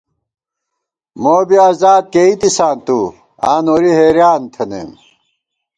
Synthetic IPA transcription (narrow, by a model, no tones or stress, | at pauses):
moːbiaːzaːd̪̚keit̪isaːnt̪u | aːnoɾiheːɾjaːnt̪ʰenḛm